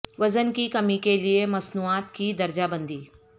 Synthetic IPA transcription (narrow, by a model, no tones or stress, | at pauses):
ʋɐzənkikɐmikeliemɐsnuaːt̪kid̪ɐɾd͡ʒabə̃nd̪iː